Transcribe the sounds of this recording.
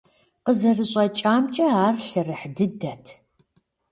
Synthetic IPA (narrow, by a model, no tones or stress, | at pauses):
qəzɐrɨɕʼɐt͡ʃʼaːmt͡ʃʼɐaːrɬɐrɨħdɨdɐtʰ